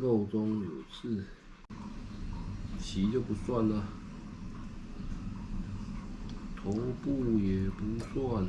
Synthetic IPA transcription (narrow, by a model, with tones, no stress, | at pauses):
ko˥˩ʊt͡sʊ˥ŋjo˨˩t͡s̩ʰ˥˩ | t͡ɕʰi˧˥t͡ɕjo˥˩ʊpu˧˥swa˥˩nlə˨ | t̪ʰo˨˧˥pu˥˧jɛ˨˩pu˧˦˥t͡sʰwɔ˥˩